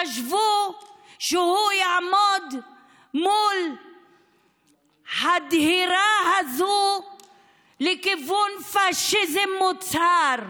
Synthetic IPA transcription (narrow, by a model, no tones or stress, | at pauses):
aʃvu | ʃehujaʕmod̪ | mul | had̪hiɾahazu | lekivunfaʃizemːut͡saɾ